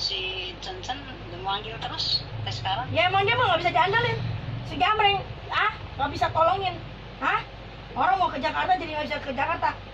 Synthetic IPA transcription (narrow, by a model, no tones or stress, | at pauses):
sit͡ʃənt͡ʃən | dəmaŋɡiut̪əɾʊstasə̥kaɾaŋjaemaŋɡiamaŋɡabisad͡ʒandalɪnsəɡamɾɪŋahŋabisat̪olɔŋɪn | ha | oɾaŋmakəd͡ʒakart̪ad͡ʒadiŋabisakəd͡ʒakart̪a